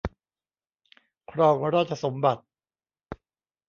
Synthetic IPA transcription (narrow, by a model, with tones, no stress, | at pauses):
kʰɾɔː˧ŋɾaː˥˩t̪̚t͡ɕʰa˧so˩˦mba˨˩t̪̚